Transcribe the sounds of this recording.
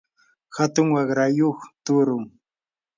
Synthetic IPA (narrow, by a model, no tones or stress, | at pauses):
hat̪ʊŋwɑɢɾajoχt̪ʊɾʊŋ